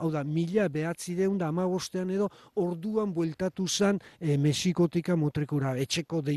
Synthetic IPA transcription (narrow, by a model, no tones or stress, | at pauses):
awðamiʎaβe̞at͡siðeund̪aːmaβ̞o̞st̪e̞ane̞ðo̞oɾðuambwe̞lt̪at̪usenme̞siko̞t̪ikamot̪ɾikuɾae̞t͡ʃe̞ko̞ðe